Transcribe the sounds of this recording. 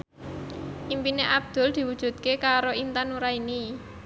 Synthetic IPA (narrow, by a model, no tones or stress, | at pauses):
ʔimpineʔab̚d̪̥ʊ̤ld̪̥i̤wud̥ʒ̥ṳt̪̚kekaɾoint̪anuɾaini